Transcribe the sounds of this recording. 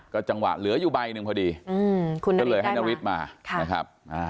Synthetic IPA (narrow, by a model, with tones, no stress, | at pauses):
kɔː˨˦˥t͡ɕa˧ŋwa̰ː˨˩lɨ˨˦əzu˧˩ɓa˧jnɨ˨˧ŋpʰɔ˧˩ɗi˧˩ɨ˧kːɔ˦ləː˨˩jhaa˦na˧˩wi˦˥t̪̚maː˨˩˧jxaː˦˥p̚ʔaː˧˩